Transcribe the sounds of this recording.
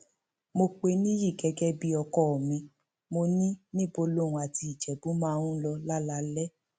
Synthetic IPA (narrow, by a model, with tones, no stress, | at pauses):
mo˧k͡pe˧nĩ˦ji˦˨ɡɛ˧ɡɛ˦bi˦ɔ˧kɔ˦ɔ˨mĩ˧ | mo˧nĩ˦nĩ˦bo˧lo˦˨ũ˨a˨ti˧i˨d͡ʒɛ˨bu˨˦mãː˦˧ɾũ˦lɔ˧la˦la˧lɛ˦